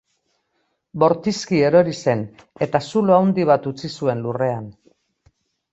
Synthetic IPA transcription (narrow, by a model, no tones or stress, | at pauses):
bo̞ɾt̪iskie̞ɾo̞ɾise̞n | e̞t̪asuloawnd̪iβ̞at̪ut͡sisue̞nlure̞an